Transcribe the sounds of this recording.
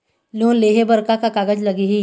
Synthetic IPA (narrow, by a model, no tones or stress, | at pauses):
loːnleːɦebəɾkakakaːɡəd͡ʒlɐɡeɦiː